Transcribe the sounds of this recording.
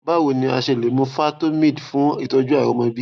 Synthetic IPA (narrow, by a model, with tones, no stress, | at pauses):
ba˦wo˧nĩ˧a˧ʃe˧˨le˨˦mũ˧fa˦to˦mĩ˦˨dfũ˨˦i˦˨tɔ˧d͡ʒu˦a˦˨ɾɔ̃˨˦mã˧bi˦